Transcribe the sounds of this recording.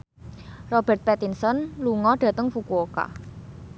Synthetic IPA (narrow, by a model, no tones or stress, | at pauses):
rɔb̥ɛ̤rt̪̚pɛt̪insɔnluŋɔɖ̥ä̤t̪əŋfukuoka̰